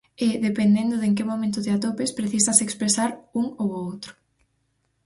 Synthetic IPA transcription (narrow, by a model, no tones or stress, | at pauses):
ɪðepend̪end̪ʊðeŋk̬ɪmomẽnt̪ʊt̪ɪat̪opɪspɾeθisasekspɾesaɾuŋowowt̪ɾʊ̥